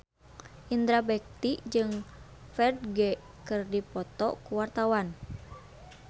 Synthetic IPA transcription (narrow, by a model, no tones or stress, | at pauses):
ʔind̪ɾabɛk̚t̪id͡ʒɨŋ | fɛrd̚ɡɛ | kɨrdipɔt̪ɔ̰kuwart̪awan